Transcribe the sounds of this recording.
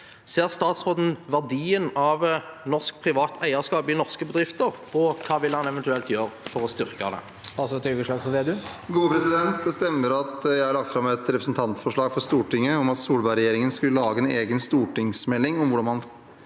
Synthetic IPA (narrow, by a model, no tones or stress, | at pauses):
seːʁst̪ɑːt̪sʁoːd̪n̩ʋæʁd̪iːənɑʋnɔʁskpʰʁɪʋɑːt̪ʰæɪəskɑːpɪnɔʁskəbəd̪ʁɪft̪əʁ | ɔkʰɑːʋɪlːəhɑnɛʋɛnt̪ʉɛlt̪jøːɾəfɔʁɔst̪ʏʁkɑd̪ɛ̰ | st̪ɑːt̪soːt̪yɡəʂøːkfɔʋeːd̪ʉɡuːəpʰɾɛsɪd̪ɛnt̪̚d̪ɛst̪ɛmːəɾɑt̪jæɪhɑɾɭɑkt̪fɾɑmɛt̪ɾɛpɾəsn̩t̪ʰɑnt̪fɔʂɭɑːɡfɔɾst̪uːʈɪŋːəɔmɑt̪suːlbɑɪɾɛjeːɾɪŋənskʉlːəlɑːɡəɛneːɡənst̪uːʈɪŋsmɛlːɪŋɔmʋʊɖɑnmɑn